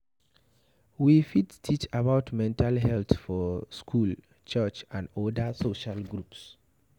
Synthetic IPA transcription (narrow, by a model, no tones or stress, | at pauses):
wifidstʰit͡ʃabaʊtmɛ̃ntalɦɛltfɔskʰul | t͡ʃət͡ʃãndɔdəsoʃalɡɹups